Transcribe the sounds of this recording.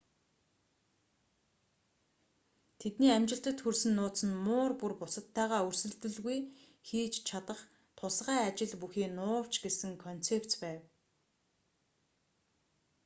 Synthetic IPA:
t̪ʰet̪niːamt͡ɕɪ̆ɬt̪ə̆t̪xursɘ̆nːʊːt̪sə̆nmʊːrpurpʊsə̆t̪ʰːæːʁaːɵrsɵ̆ɮt̪ɘ̆ɮɣuj | xiːt͡ɕt͡ɕʰat̪ə̆χ | t̪ʰʊsʁæːat͡ɕɪ̆ɮpuxiːnʊːw̥t͡ɕɡesɘ̆ŋkʰɔn̥t͡sept͡spæːw

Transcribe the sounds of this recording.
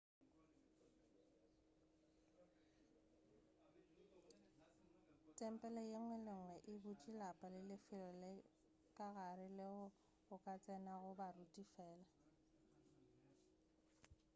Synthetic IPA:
tʼɛm̩pʼɛlɛjɪŋwɛlɪŋwɛʔɪbʊt͡ʃʼilapʼalɪlɪfɪlɔlɛ | kʼaɣaɾɪlɛɔ | ɣʊkʼat͡sʼɛnaɣʊbarutʼifɛːla

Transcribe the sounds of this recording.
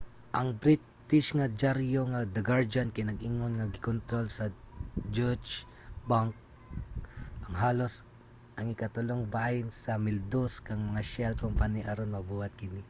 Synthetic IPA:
ʔɐŋbɾɪt̪t̪ɪʃŋɐd͡ʒaɾjoŋad̪ɐɡaɹd͡ʒankɪjnɐɡɪŋonŋɐɡɪkont̪ɾolsɐd͡ʒot͡ʃ | baŋk̚ | ʔɐŋɦaːlo̞s | ʔɐŋɪkat̪ʊloŋbajɪnsɐmɪld̪oskɐŋmɐŋaʃɛlkompaniʔɐɾonmɐbuːhɐt̪̚kɪnɪ

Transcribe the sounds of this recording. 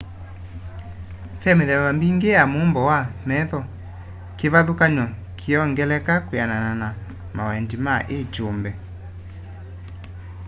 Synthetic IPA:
fɛmeðɛwambiŋɡeamombɔwamɛðɔ | kevaðokaɲɔ | kʰeɔŋɡɛlɛkakwananana | mawɛndimaʔet͡ʃombɛ

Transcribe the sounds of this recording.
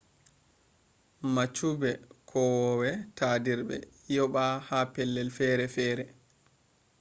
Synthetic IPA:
mat͡ʃubɛkʰɔwɔwɛtʰadiɾɓɛ̰ | jɔɓahapɛlːɛlfɛɾɛfɛːɾɛ

